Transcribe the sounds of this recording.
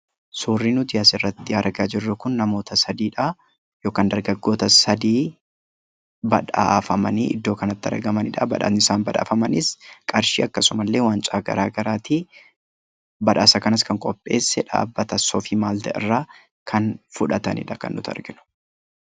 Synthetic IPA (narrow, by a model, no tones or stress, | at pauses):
suːrːiːnʊd̪ɪjasɪrːɐt̪ːɪɐɾɡaːd͡ʒɪrːʊkʊnːɐmo̞ːt̪ɐsɐd̪iːᶑɐ | joːkɐnd̪ɐɾɡɐɡːo̞ːt̪ɐsɐd̪iː | bɐ̰ᶑa̰ːfɐmɐniʔɪ̰d̪ːo̞ːkɐnɐt̪ːɐ̰ɾɡɐmɐnɪᶑɐbɐ̰ᶑa̰ɪsaːnbɐᶑa̰ːfɐmɐnɪskʼɐɾʃḭːɐkːɐsʊmɐlːe̞ːwaːnt͡ʃʼaːɡɐ̰ɾaːɡɐɾaːt̪iː | bɐᶑaːsɐkɐnɐskɐŋkʼɔpʼːe̞ːsːɛᶑa̰ːbːɐt̪ɐsɔfiːmaːlt̪ɐɪ̰rːaː | kʰɐnfʊᶑɐt̪ɐnɪ̰ᶑɐkɐ̰nːʊt̪ɐ̰ɾɡɪnʊ̥